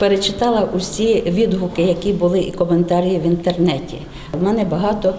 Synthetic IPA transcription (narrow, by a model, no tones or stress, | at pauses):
peɾet͡ʃɪt̪ɑlˠɐʔʊsʲiʋʲid̪ɦʊkɪjɐkʲibʊlˠɪʔikɔment̪ɑɾʲijiwʋʲint̪ernɛtʲḭ | ʋmɛnɛbɐɦɑt̪ɔ